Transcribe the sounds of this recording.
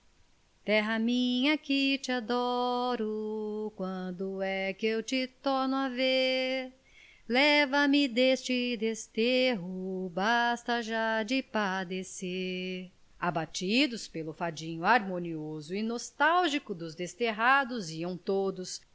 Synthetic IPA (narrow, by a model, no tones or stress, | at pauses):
t̪ɛɦɐmĩɲɐkɪt͡ʃɪad̪ɔɾʊkwɐ̃d̪ʊɛkɪewt͡ʃɪt̪ɔɾnʊave | lɛvɐmɪd̪est͡ʃɪd̪est̪eɦʊbast̪ɐʒad͡ʒɪpad̪ese | abat͡ʃid̪ʊspelʊfad͡ʒĩɲʊaɾmõniozʊinost̪awʒikʊd̪ʊzd̪est̪eɦad̪ʊziɐ̃w̃t̪od̪ʊs